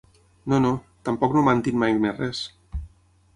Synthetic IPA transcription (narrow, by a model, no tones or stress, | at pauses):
nono | t̪ampɔknomant̪inmajmerɛs